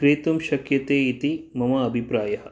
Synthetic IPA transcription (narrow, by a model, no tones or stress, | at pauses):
kɾeːt̪umʃɐkjɐt̪eːit̪imɐmɐːbʱipɾaːjɐɦɐ̆